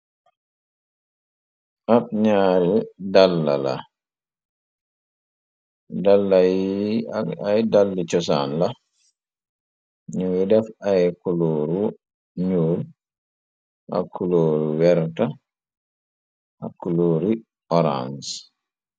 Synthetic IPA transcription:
ʔab̚ɲaːɾidalːa̰la̰ | dalːaji | ajdalːit͡ʃɔsa̰nla | ɲuwidɛfajkuloɾu | ɲuːl | ʔa̰kʰːuloːɾiwɛɾta | ʔa̰kːuloːɾi | ʔɔɾa̰ns

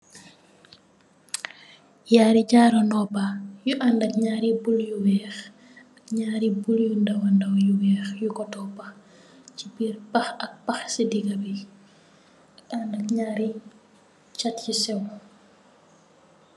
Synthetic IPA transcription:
jaːɾiɟaːɾɔnɔpajuʔandɐkɲaːɾibuljuwɛːx | ɐkɲaːɾibuljundɐwɐndɐwjuwɛːxjukɔtɔpɐx | cibirpɐxɐk̚pɐxsidiɡɐbi | ɐkandɐkɲaːɾi | t͡ʃatcisɛw

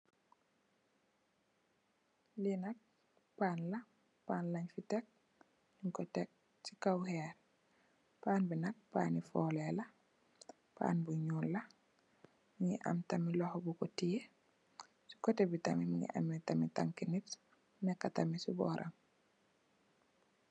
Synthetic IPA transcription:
linɐk̚ | paːnlɐ | paːnlaɲfitek̚ | iŋkɔtek̚ | sikawhɛːɾ | paːnbinɐk̚pa̰ːnifɔːlelɐ | pa̰ːnbuɲuːllɐ | miŋḭʔa̰mtamilɔhobukɔtije | si̥kɔtebitamimḭŋḭʔa̰mːitamita̰ŋkinit | nekːatamisibɔ̰ːɾʔa̰ŋ

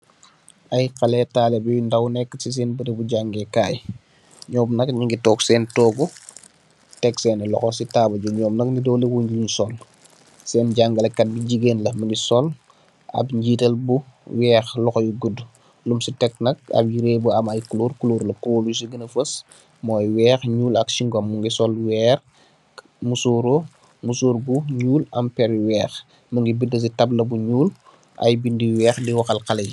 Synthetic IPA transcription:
ɐjqɐlɛtaːlɛbijundɐwnɛkːsis̬ɛːnbətebuɟaŋɡɛkaːj | ɲɔːmnɐkɲiŋɡitɔːksɛːntɔːɡu | tɛksɛːnɛlɔxɔsitaːbɐɟuɲɔːmnɐk̚nidɔwliwuɲɟuɲsɔl | sɛːnɟaŋɡɐlɐkɐt̚biɟiɡenlɐmɐnisɔl | ɐ̰bɲɟiːtɐlbuwɛːxlɔxɔjuɡudu | lumsitɛk̚nɐk̚ɐ̰b̚jiɾeːbuɐmɐjkuluːrkuluːɾlɐkuwolus̬iɡənɐfəs | mɔːjwɛːxɲuːlɐkʃiŋɡɔmːuŋɡisɔlwɛːr | musuːɾo | musuːɾbuɲuːlɐmpɛɾwɛːx | muŋɡibidɐs̬itɐblɐbuɲuːl | ʔɐ̰jbindiwɛːxdiwɐxɐlkɐlɐji

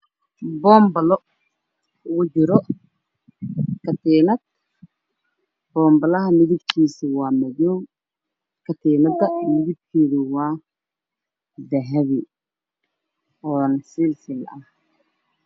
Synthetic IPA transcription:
bɔːmbɐlɔ | ɣʊt͡ʃɪɾɔ | kʰɐt̪ʰiːnɐd̪̚ | b̥ɔːmbɐlɐɦɐmɪðɪbkʰiːsɪwɑːmɐjɔw | kʰɐt̪ʰiːnɐd̪ɐmɪðɪb̚kʰiːðɪwɑː | d̪ɐɦɐβɪ | ʔɔːnsilsɪlɐh

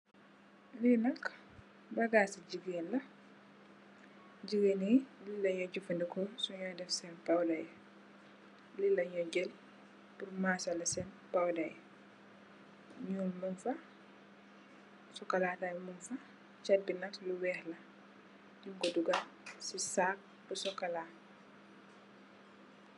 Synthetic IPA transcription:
linɐk | bɐɡaːsiɟiɡeːnlɐ | ɟiɡenililːɐɲɔɟufɐndɛkɔsuɲaːdɛfsɛnpawdaj | lilːɐɲɔɟɛl | purmaːsɐlɐsɛn | pawdɐj | ɲuːlmunfɐ | sɔkɐlaːtajmunfɐ | t͡ʃɐt̚binɐkluwɛːhlɐ | juŋkɔduɡɐsisaːk̚ | b̥usɔkːɐlaː

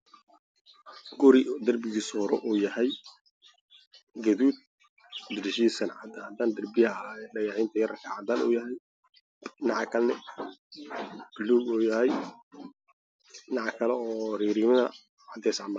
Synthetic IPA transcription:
ɡ̥ʊɾɪd̪ɐrbɪɣiːshɔɾɛʔuːjɐhɛj | ɡɐðuːd̪̚ | d̪ɪdʃiːsɐnʕɑ̰d̪ad̪aːnd̪ɐrbɪjɖɐjɑʕiːnt̪ʰɐjɐɾɐkʰɐʕad̪aːnʔṵːjɐɦɛj | nɑʕɑkʰɐlnɛ | bɪlːuːɡuːjɐɦɛj | nɑʕɑkʰɐlɛɔːriːɾiːmɐðɐ | ʕɑd̪ɛsʕmɐ

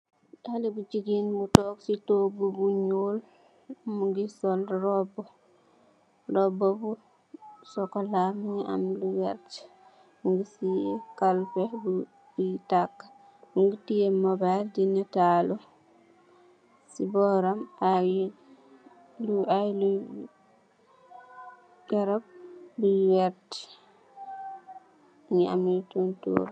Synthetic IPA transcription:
dalibud͡ʒiɡinbutɔːksitoɡubuɲuːl | muɡisɔlɾɔb | rɔbobu | sɔkɔlamia̰nluwɛɾt͡ʃ | muɡisikalfehbu | bitakː | ŋɡitijɛmɔbajldinːɛtaːlɔ | sibɔɾamaw | luajlu | jɛɾɔb̚biwɛɾti̥ | ɲɛa̰milutuntṵɾ

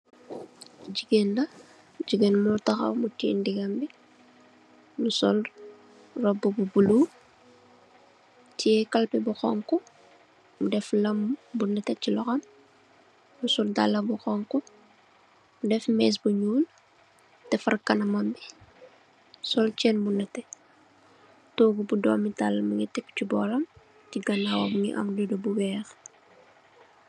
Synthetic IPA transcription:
ɟiɡendɐ | ɟiɡenmultɐxɐ̰wmutḭːndiɡɐmbi | nusɔl | rɔbububulu | tʰiɛkɐlpibuxɔŋku | mudɛflɐmbundɐtɛcilɔxɐm | busuldalːɐbuxɔŋku | udɛfmɛːs̬buɲuːl | tɛfɐrkɐnɐmɐmbi | sɔlt͡ʃɛːnbunɐtɛ | toːɡubudɔːmitalːɐmɐŋitɛkːt͡ʃubɔːlɐm | tiɡɐnawɐbuŋḭʔɐ̰mdudubuwɛːx

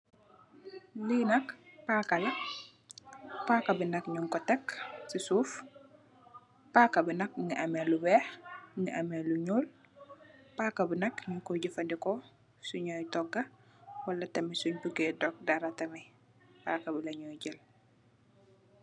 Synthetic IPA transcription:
linɐkpaːkɐlɐ | paːkɐbinɐkɲuŋkɔtɛksisuːf | paːkɐbinɐk̚ŋiʔɐmɛlubɛːhŋiʔɐmɛluɲul | paːkɐbinɐkɲukɔɟifɐndikɔ | suɲɔjtɔɡɐ | wɐlɐtɐmisuɲbuɡɛdɔk̚dɐɾɐtɐmɛ | pakɐbilɐɲɔjɟəl

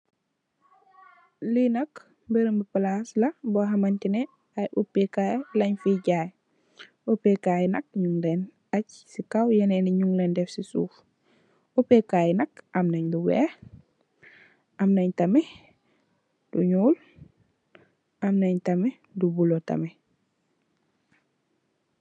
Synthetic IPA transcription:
linɐk | bəɾəmbipalaslɐboɦɐmɐntinɛ | ajʔupːekajlɐɲfiɟaːj | upekaːjnɐkɲuŋlen | acsikawjɐnɛniɲuŋlendɛfsisṵːf | upekːajɛnɐkʔɐmnɐɲduwɛ̰ːh | ʔamnɐɲtɐme | d̥uɲuːl | ʔamnɐɲtɐme | dubulotɐ̰me

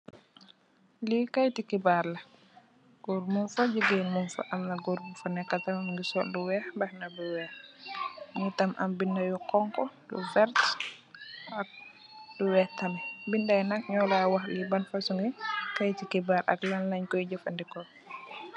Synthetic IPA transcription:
likajtikibaɾla | ɡ̥ɔɾmunfad͡ʒuɡenmunfa̰ʔamnaɡuɾbufanɛkːatamamŋɡisɔlduwɛhbahnabuwɛh | ŋitamʔa̰mbindajukɔŋkɔdṵfɛɾt | ʔak̚ | duwɛtambindajnak̚ɲɔlawaxlibanfasuŋɡikajtikibaɾa̰klanlaɲkɔjd͡ʒəfandikɔ

